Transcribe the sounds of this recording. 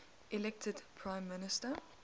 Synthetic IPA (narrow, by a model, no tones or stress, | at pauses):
ʔɪlɛk̚tʰədpʰɹ̥ãɪ̃mːɪnɪstə